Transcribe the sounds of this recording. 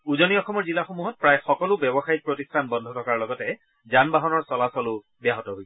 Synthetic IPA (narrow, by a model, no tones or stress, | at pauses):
uzɔniɔxɔmɔɹzilaxomuɦɔt̚pɹajxɔkɔlʊbɛbɔxait̚pɹotistʰanbɔndʱɔtʰɔkaɹlɔɡɔtɛ | zanbaɦɔnɔɹsɔlasɔlʊ | bjaɦɔtɔɦoj